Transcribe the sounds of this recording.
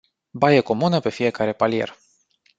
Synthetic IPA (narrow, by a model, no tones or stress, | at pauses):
bajeko̞munəpe̞fije̞kaɾe̞palije̞̰r